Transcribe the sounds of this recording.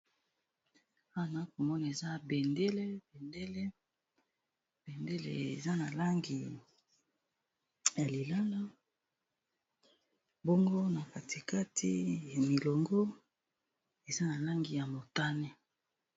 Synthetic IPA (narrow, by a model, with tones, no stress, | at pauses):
a˦˨na˦ko˨mɔ˦na˨e˨za˦bɛ˨nde˦le˦bɛ˨nde˦le˦ | b̥e˨nde˦lḛ˨ḛ˨za˦na˨la˦ŋɡi˨ | ja˨li˨la˦la˦ | bɔ˦ŋɡo˦na˨ka˨ti˨ka˦tʰi˦ja˨mi˨lɔ˨ŋɡo˦ | e˨za˦na˨la˦ŋɡi˨ja˨mo˨ta˦nɛ˦